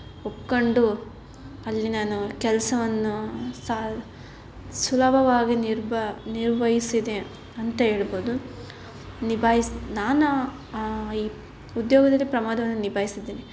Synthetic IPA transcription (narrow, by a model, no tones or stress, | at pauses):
opkoɳɖu | ɐlːinaːnukɛlɐsɐʋɐnːusa | sulɐbʱɐʋaːɡiniɾbniɾʋɐjisid̪e | ɐnt̪ɐɦe̞ːɭɐboːd̪u | nibʱaːjisnaːnu | iː | ud̪joːɡɐd̪ɐlːipɾɐmaːd̪ʱɐʋɐnːunibʱaːjisid̪ːiːni